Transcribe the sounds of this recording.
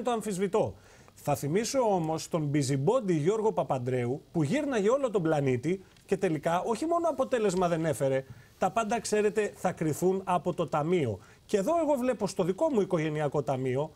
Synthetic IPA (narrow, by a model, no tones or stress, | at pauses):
t̪o̞ɐɱfizvit̪o̞ | θɐθimiso̞o̞mo̞st̪o̞mbizibo̞d̪iʝo̞ɾɣo̞pɐpɐnd̪ɾe̞upuʝiɾnɐʝeo̞lo̞t̪o̞blɐnit̪i | ce̞t̪e̞likɐo̞çimo̞noɐpot̪e̞le̞zmɐðe̞ne̞fe̞ɾe̞t̪ɐpɐnd̪ɐkse̞ɾe̞t̪e̞θɐkɾiθunɐpo̞t̪o̞t̪ɐmio̞ | ceeðo̞e̞ɣo̞vle̞post̪o̞ðiko̞muiko̞ʝe̞niɐko̞t̪ɐmio̞